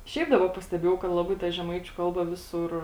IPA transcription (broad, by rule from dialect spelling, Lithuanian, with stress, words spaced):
ˈʃʲɛɪp ˈdɑːbɐ pɐsʲtʲɛˈbʲeːjɛʊ kɐt lˠɐˈbɐɪ tɐ ʒʲɛˈmɐɪt͡ʃʲʊ ˈkɐlˠbɐ ˈʋʲɪsʊr